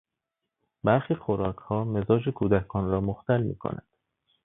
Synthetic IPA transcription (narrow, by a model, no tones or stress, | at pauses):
bæɾxiːxoɾɒːkʰhɒːme̞zɒːd͡ʒekʰuːd̪ækʰɒːnɾɒːmoxt̪ælmḭːkʰo̰nʔæ̰nd̪̥